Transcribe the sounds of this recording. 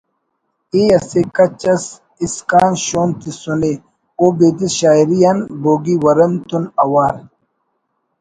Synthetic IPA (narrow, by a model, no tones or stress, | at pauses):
ijɐsekɐt͡ɕɐs | iskaːnɕoːnt̪isune | obeːd̪iɕaːiɾijanboːɡiwɐɾɐmt̪unɐwaːɾ